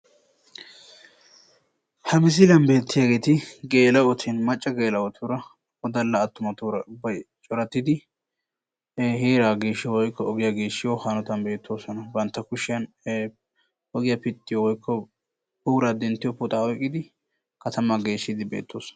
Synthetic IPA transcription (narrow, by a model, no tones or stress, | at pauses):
hɐmɪs̬ɪlɐnbe̞ːt̪ːɪjaːɡe̞ːt̪ɪɡe̞ːlɐwɔt̪ʰɪnmɐt͡ʃʼːɐɡe̞ːlɐwɔt̪ʰuɾɐ | ɔd̪ɐlːɐːt̪ːʊmɐt̪uɾɐʊbːɐjt͡ʃʼɔɾɐt̪ːɪd̪ɪ | heːɾaːɡe̞ːʃːɪjɔwɔjkːɔɔɡɪjaɡe̞ːʃːɪjɔhanɔt̪ɐnbe̞ːt̪ʰːo̞ːsɔnɐbɐnt̪ːɐkʊʃːɪjɐn | ʔɔɡɪjɐpɪt̪ʼːɪjɔwɔjkʰːɔ | buːɾaːd̪ɛnt̪ːɪjɔpʊt̪ʼɐɔjkʼːɪd̪ɪ | kɐt̪ɐmaɡe̞ːʃːɪd̪ɪbeːt̪ʰːoːsɔ̥nɐ̥